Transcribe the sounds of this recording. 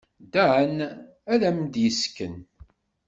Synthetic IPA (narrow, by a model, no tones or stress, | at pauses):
d̪æʕən | æðæmd̪jəskːən